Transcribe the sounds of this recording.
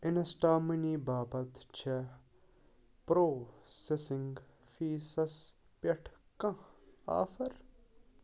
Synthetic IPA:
ɪnɐsʈaːminiːbaːbɐt̪t͡ʃʰɐ | pɾoːsesɪŋɡ | fiːsɐs | pɐʈʰkɐ̃a̰ːfɐɾ

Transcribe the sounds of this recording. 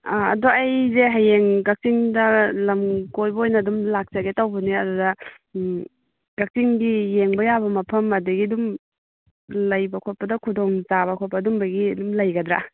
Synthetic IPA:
aɐ̰duɐjzeɦajeŋɡɐk̚siŋdɐlɐmkojbɐojnɐːdumlak̚t͡ʃɐɡetɐwbɐniɐdudɐ | ɡ̥ɐk̚siŋɡijeŋbɐjabɐmɐpʰɐmɐdɐɡidum | lɐjbɐkʰopɐdɐkʰudoŋzaβɐkʰɔt̚pːɐdumbɐɡiɐdumlɐjɡɐd̪ɾa̰

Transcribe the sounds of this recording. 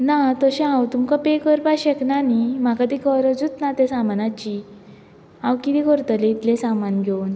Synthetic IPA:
nat̪əɕẽãwt̪umkapekəɾpaɕeknanim̤akad̪ikəɾəd͡zut͡s̪nat̪ẽsamanat͡ɕi | ãwkit̪ikəɾt̪əleit̪lesamanɡʱewn

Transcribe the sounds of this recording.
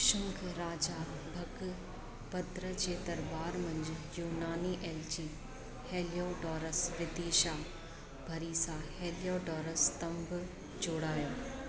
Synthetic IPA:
ʃəmkʰɾaːd͡ʒaː | bʱɐk | bɐd̪ɾət͡ʃeːt̪əɾbaːɾmɐ̃ɲd͡ʒjuːnaːniːʔeːlt͡ʃiː | heːljoːɖɔːɾəsʋɪd̪eːʃaː | bʱɐɾiːsãheːlijoːɖɔːɾəst̪ɐmb | d͡ʒʊɽaːjoː

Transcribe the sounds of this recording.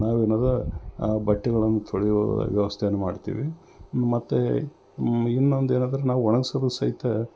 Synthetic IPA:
naːʋeːnaːd̪ɐbɐʈːɛɡɐɭɐnːut̪ʰoɭijoɐ̰ʋjɐʋɐst̪ʰejɐnːumaːɖt̪ḭːʋi | mɐt̪ːe | inːond̪eːnaːd̪ɐɾenaːʋuɔɳɐɡsɐbd̪sɐit̪ːɐ

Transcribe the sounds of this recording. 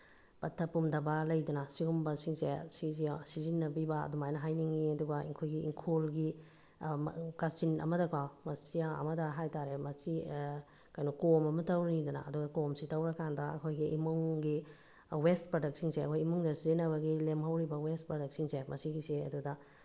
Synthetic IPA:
pɐtʰːɐpːumdɐbɐlɐjdɐnɐsiɡumbɐsiŋsesizisizinːɐbibɐɐ̰dumajnɐɦajniŋiɐduɡɐḭŋkʰojɡiiŋkʰolɡi | kasinɐ̰mɐdɐkʰamɐsijaɐ̰mɐdɐɦajtaɾemɐsi | kajnukomɐmɐtɐwɾnidɐna̰ɐduɡɐkomsitɐwɾɐkandɐɐ̰kʰojɡiimuŋɡi | westpɾodɐk̚siŋseɐkʰojimuŋdɐsizinɐβɐɡilemɦɐwɾibɐwest̚pɾodɐk̚siŋsemʔɐsiɡiseɐ̰dudɐ

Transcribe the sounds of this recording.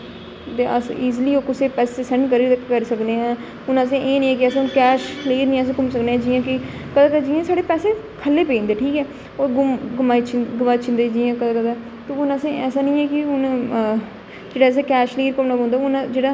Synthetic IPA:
t̪eʔəsiːzliːoːkʊseːpɛːseːsɛɳɖkəɾiːɾkːkəɾsəkneːɛ̃ː | ʊnəsẽːʔeːnĩːɛ̃ːk̬ɪəsẽːʊnkɛːʃleːɾnĩːɛːs̬ẽːkʊmsəkneːɛ̃ːd͡ʒiːãːkɪ | kəd̪aːkət̪aːd͡ʒiːãːsaːɽeːpɛːseː | kʰəlːeːpẽːnd̪eːʈʰiːkɛː | oːɾɡʊmɡʊmaːit͡ʃɡʊmaːt͡ʃʰɪnd̪eːd͡ʒiːãːkəd̪aːkəd̪aː | t̪õːʊnəsẽʔɛːsaːnĩːɛːkɪʊn | d͡ʒeːɽaːs̬eːkɛːʃleːɾkʊmnaːbõːnd̪ːʊnd͡ʒeːɽaː

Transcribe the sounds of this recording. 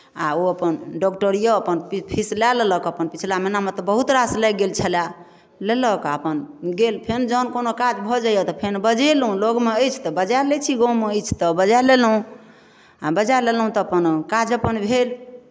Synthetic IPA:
aoəpənɖɔkʈəɾijoəpənpipʰislaleləkəpənpit͡ʃʰilaminamet̪ɔbəɦut̪ɾaslɛɡelt͡ʃʰəla | leləkəpənɡelpʰend͡ʒənkonokad͡ʒbʱɔd͡ʒajot̪ɔpʰenbəd͡ʒelɦũloɡmeəjt͡ʃʰt̪ɔbəd͡ʒalet͡ʃʰiɡɔ̃meəjt͡ʃʰt̪ɔbəd͡ʒalelɦũ | abəd͡ʒalelɦũt̪ɔːpənkad͡ʒəpənbʱel

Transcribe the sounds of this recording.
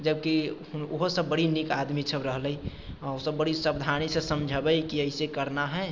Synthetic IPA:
d͡ʒəb̚ki | ʊoɦosəbːəɽinikad̪misəbɾəɦləi | osəbːəɽisəbd̪ʱanisesəmd͡ʒʱəbəkiəisekəɾnaɦɛ

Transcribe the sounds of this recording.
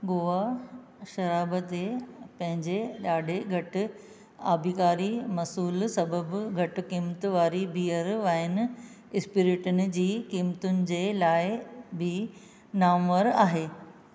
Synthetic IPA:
ɡoːa | ʃɐɾaːbət̪epɐ̃ɦɪ̃ɲd͡ʑeɗaːɖʱeɡʱɐʈʊ̆ | a̰ːbʱikaːɾimɐsuːlsɐbəbɡʱɐʈʊ̆kiːmt̪ʋaːɾibiːjəɾʋaːɪnɪ | ɪspɪɾɪʈʊnɪ̆d͡ʑiːkiːmt̪ʊnɪ̆d͡ʑelaːɪbʱi | naːmʋəɾaːɦeː

